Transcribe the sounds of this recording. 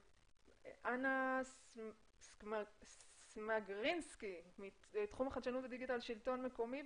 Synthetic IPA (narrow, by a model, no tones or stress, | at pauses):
ʔanas | smsmaɡʁinskimi | et̪χumaχadʃanutved̪iɡitalʃilto̞nmeko̞mi